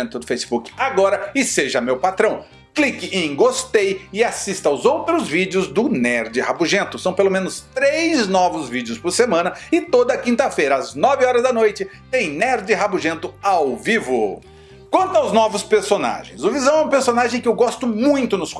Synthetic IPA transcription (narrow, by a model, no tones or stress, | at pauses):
nt̪ʊd̪ʊfejsi̥bukɪ̥aɡɔɾɐɪseʒɐmewpat̪ɾɐ̃w̃ | klikɪʔẽɡost̪ejɪasist̪ɐʊzowt̪ɾʊzvid͡ʒɪʊzd̪ʊnɛɾd͡ʒɪhabuʒẽnt̪ʊsɐ̃w̃pelomẽnʊst̪ɾejznɔvʊzvid͡ʒɪʊspʊɾsemɐ̃nɐɪt̪od̪ɐːkĩnt̪ɐfejɾɐaznɔvɪɔɾɐzd̪ɐnojt͡ʃɪt̪ẽj̃nɛɾd͡ʒɪɦabʊʒẽnt̪ʊawvivʊ | kwɐ̃nt̪ʊawznɔvʊspeɾsona̰ʒḛ̃j̃zʊvizɐ̃w̃ɛũpeɾsonaʒẽj̃kɪewɡɔst̪ʊmũj̃t̪ʊnʊs